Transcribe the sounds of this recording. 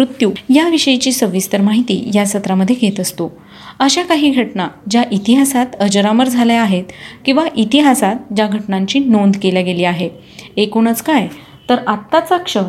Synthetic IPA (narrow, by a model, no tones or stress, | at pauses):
ɾut̪juːjaʋiɕəjit͡ɕiːsəʋist̪əɾmaɦit̪ḭːjasət̪ɾaməd̪ʱːjeɡʱet̪əst̪o | əɕakaɦiːɡʱəʈnad͡ʑjaʔit̪iɦasat̪əd͡ʑəɾaməɾd͡zʱaleaɦet̪kĩʋaʔit̪iɦasat̪̚d͡ʑaɡʱəʈɳãɲt͡ɕiːnond̪keljaɡeliːaɦe | ekuɳ̃ət͡skaj | t̪əɾat̪ːat͡sakʂə